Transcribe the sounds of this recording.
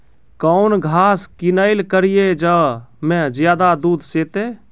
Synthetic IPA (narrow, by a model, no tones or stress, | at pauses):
kəʊnɡʱaːskinəɪlkəɾijed͡ʒəmẽd͡ʒjaːd̪ad̪uːd̪ʱset̪e